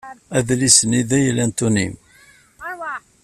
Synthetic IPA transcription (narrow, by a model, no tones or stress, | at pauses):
æðlisəniðæjəlænt̪unḭm